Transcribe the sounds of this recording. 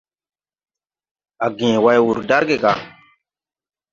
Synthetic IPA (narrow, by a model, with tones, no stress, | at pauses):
a˨ɡĩ˨wa˦jwu˨ɾda˦ɾɡe˨ɡa˨